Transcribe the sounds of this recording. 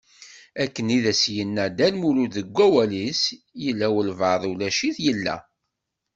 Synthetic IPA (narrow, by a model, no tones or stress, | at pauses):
ækːəniðæsjənːæd̪ælmuluðəɡʷːæwælis | jəlːæwəlvəðˤulæʃiθjəlːæ̰